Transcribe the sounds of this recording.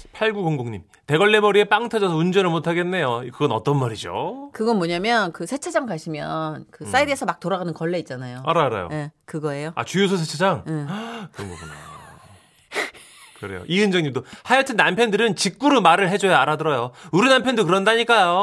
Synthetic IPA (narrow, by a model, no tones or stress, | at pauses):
pʰaɭɡuɡoŋboŋɲim | te̞ɡʌɭːe̞mʌɾie̞p͈aŋtʰʌd͡ʑʌsʰʌund͡ʑʌnɯɭmotʰaɡe̞nːe̞jokɯɡʌnʌ̰t͈ʌnmaɾid͡ʑo̰kɯɡʌnmwʌɲamjʌnkɯsʰet͡ɕʰad͡ʑaŋkaɕʰimjʌnkɯs͈aidɯesʰʌmak̚t͈oɾaɣanɯnkʌɭːe̞it̚t͡ɕ͈anajoaɾaɾa̰jo̰ekɯɡʌe̞joa̰t͡ɕujosʰosʰet͡ɕʰad͡ʑaŋekɯɾʌŋɡʌuna | kɯɾe̞jo̰ʔiɯnd͡ʑʌŋɲimdohajʌtʰɯnːampʰjʌndɯɾɯnt͡ɕik̚k͈uɾumaɾɯɭɦe̞d͡ʑojʌaɾadɯɾʌjouɾinampʰjʌndokɯɾʌndaɲik͈ajo